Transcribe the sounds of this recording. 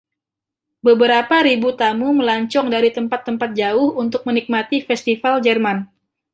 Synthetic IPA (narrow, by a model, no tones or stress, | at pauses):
bəbəɾapaɾibut̪amuməlaɲt͡ʃɔŋdaɾit̪əmpat̪ːəmpat̪̚d͡ʒaʊhunt̪ʊk̚mənik̚mat̪ifɛst̪ifald͡ʒɛrman